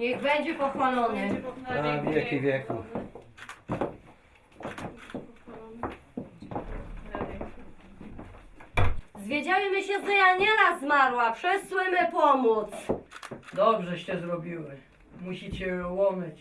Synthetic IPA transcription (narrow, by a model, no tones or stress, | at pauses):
ɲɛɣbɛɲd͡ʑɛpɔxwalɔnɛavʲjɛkʲivʲjɛkuf | pxwalɔn | ɛɛ | zvʲjed͡ʑawimɘɕɛzɛjaɲɛɾazːmaɾwapʂɛswɘmɘpɔmut̪s | d̪ɔbʐɛɕɛzɾɔbʲiwɘ | muɕit͡ɕɛwɔmɘt͡ɕ